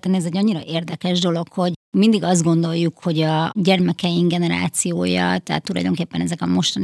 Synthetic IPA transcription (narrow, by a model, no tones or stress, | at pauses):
t̪ːɛniɛzɛɟːɒɲːiɾɒʔeːrd̪ɛkɛʒd̪o̞lo̞kho̞ɟmind̪iɡɒzd̪̚ɡo̞nd̪o̞jːukho̞ɟɒɟɛrmɛkɛjiŋɡɛnɛɾa̰ːt̪sijoːjɒ̰t̪ɛɦa̰t̪ːulɒ̰jd̪o̞̰ŋkeːpːɛnɛzɛkɒmo̞ʃt̪ɒni